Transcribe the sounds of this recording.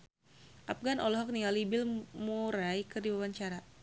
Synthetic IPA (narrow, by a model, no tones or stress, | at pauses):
ʔap̚ɡanɔlɔɦɔk̚niŋalibɪlmuɾajkərdiwawaɲt͡ʃaɾa